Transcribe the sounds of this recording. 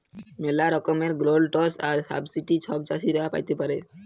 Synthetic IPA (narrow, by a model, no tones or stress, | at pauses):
melaɾɔkomeɾɡɾolʈɔsaɾsa̰bsiʈit͡ɕʰɔb̚d͡ʑaʃiɾɔapa̰jt̪epaɾe